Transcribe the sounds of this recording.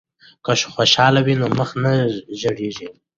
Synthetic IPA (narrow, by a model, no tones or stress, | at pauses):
kaʃo̥xoʃɑlawinoməxnaʒəɽeʒi